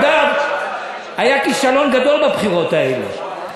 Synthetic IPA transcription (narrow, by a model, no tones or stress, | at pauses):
d̪am | ajakiʃalonɡad̪o̞lbabχiʁot̪aelḛ